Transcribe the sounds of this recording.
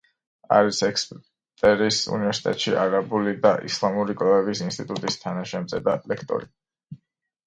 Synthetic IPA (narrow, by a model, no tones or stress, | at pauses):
a̰ɾisɛkspʼ | t̪ʼɛɾisṵnivɛɾsi̥t̪ʼɛ̰t̪ʼʃiʔaɾabulid̪aʔḭslˠamuɾikʼlavɛbisinst̪ʼit̪ʼut̪ʼist̪ʰanaʃɛmt̪sʼɛd̪alɛkʰt̪ʼɔ̰ɾi